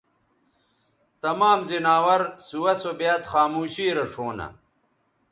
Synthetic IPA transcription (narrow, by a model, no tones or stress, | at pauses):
t̪ɐmaːmzinaːwɐɾsuwɐsobjaːt̪xaːmuːɕiːɾɐʂoːnɐ̰